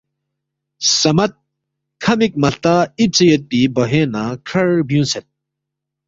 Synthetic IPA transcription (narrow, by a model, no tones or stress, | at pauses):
sɐmɐt̪̚ | kʰɐmik̚mɐlt̪aːip̚t͡sɐjɐt̪̚pibɐɦeːnakʰɐɾbjũnset̪̚